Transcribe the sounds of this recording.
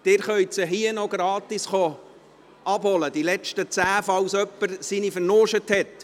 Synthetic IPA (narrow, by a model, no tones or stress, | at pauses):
d̥ɪːɾχœjsəɦiənɔɡɾɑːtisχɔ | ɑb̥hɔləd̥ilɛt͡ʃtət͡sæːfɑwsœpːəɾsinifəɾnoːʃəthɛt